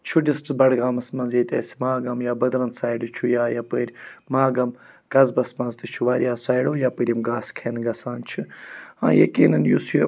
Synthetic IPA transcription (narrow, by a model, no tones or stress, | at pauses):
t͡ʃʰuɖisʈbɐɽɡaːmɐsmɐnzjeːt̪eːsi̥maːɡɐmjaːbɐd̪ɾɐnsaːiɖɨt͡ʃʰujaːjɐpəːɾʲmaːɡɐm | kɐzbɐsmɐnzt̪ɨt͡ʃʰuʋaːɾʲjaːsaːjɖoːjaːpəɾʲimɡaːskʰeːnɡɐsaːnt͡ʃʰɨã̰ːjɐ̰kiːnɐnjusji